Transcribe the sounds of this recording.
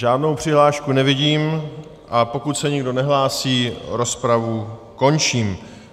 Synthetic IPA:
ʒaːdno̞wpr̝̥ɪɦlaːʃkunɛvɪɟiːm | ʔapo̞kut̪sɛɲɪɡdo̞nɛɦlaːsiːɾo̞spɾavu | ko̞nt͡ʃiːm

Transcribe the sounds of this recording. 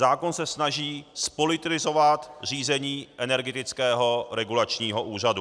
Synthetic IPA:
zaːkonsɛsnaʒiːspolɪt̪lɪzo̞vat̪r̝iːzɛɲiːʔɛnɛɾɡɛt̪ɪt͡skɛːɦo̞ɾɛɡulat͡ʃɲiːɦo̞ʔuːradu

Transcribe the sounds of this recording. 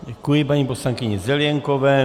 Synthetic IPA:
ɟɛkujɪpaɲiːposlaŋkɪɲɛzɛljɛŋkovɛː

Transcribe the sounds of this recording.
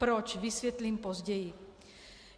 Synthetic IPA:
pɾɔt͡ʃʋisʋjɛt̪liːmpɔzɟɛji

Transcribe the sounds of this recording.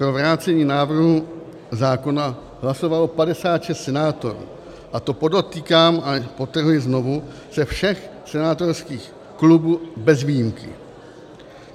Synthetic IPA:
pɾo̞vɾaːt͡sɛɲiːnaːvr̩ɦu | zaːko̞na | ɦlaso̞valopadɛsaːt̪ʃɛst̪sɛnaːt̪o̞ɾṵː | ʔat̪o̞po̞dot̪iːkaːmapo̞t̪r̩ɦujɪzno̞vu | sɛfʃɛx | sɛnaːt̪o̞ɾskiːx | klubuːbɛzviːjimkɪ̰

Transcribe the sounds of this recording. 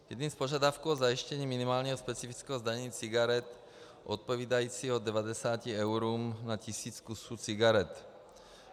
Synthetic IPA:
jɛd̪ɲimspoʒad̪afkuːozajiʃcɛɲiːminimaːlɲɛɦɔspɛt͡sifit͡skɛːɦɔzd̪aɲɲiːt͡siɡaɾɛt̪ | ʔot̪̚poviːd̪ajiːt͡siːɦɔd̪ɛvad̪ɛsaːciɛʊɾuːmnacisiːt͡skusuːt͡siɡaɾɛt̪

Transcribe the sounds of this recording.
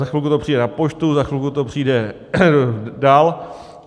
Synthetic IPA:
axvilkut̪opr̥iːdɛnapot͡ʃt̪uzaxʋilkut̪opr̥iːdɛ | daːl

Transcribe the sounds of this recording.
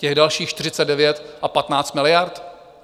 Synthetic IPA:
cɛɣdalʃiːxt͡ʃt̪ɪr̝ɪt͡sɛddɛvjɛt̪ʔapat̪naːt͡st̪mɪlɪjaɾt̪

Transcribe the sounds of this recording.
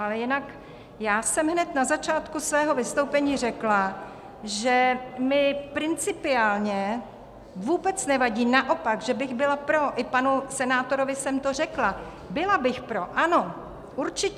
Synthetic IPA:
alɛjɪnak | jaːsɛmɦnɛt̪nazat͡ʃaːt̪kusvɛːɦo̞vɪst̪owpɛɲiːr̝ɛkla | ʒɛmɪpɾɪnt͡sɪpɪaːlɲɛ | vuːbɛt͡snɛvaɟiːnaʔo̞paɡʒɛbɪɣbɪlapɾo̞ʔɪpanusɛnaːt̪o̞ɾovɪsɛmt̪o̞r̝ɛkla | bɪlabɪxpɾoʔano̞ | ʔuɾt͡ʃɪc

